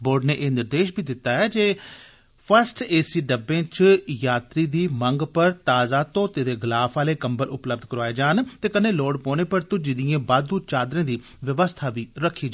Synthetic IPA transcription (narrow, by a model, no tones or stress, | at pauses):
boːɾɖneːʔeːnɪɾd̪eːʃbʱiːd̪ɪt̪ːaːɛːd͡ʒeː | pʰəɾsʈeːsiːɖəbẽːt͡ʃjaːt̪ɾiːd̪iːməŋɡpəɾt̪aːzaːt̪õːt̪eːd̪eːɡlaːfʰaːleːkəmbəlʊpləb̚d̪kəɾʋaːeːd͡ʒaːnt̪eːkəneːloːɖpoːneːpəɾt̪ʊd͡ʒɪd̪ijẽːbaːd̪uːt͡ʃaːd̪ɾẽːd̪iː | ʋɪʋəst̪ʰaːbiːɾəkʰːiːd͡ʒa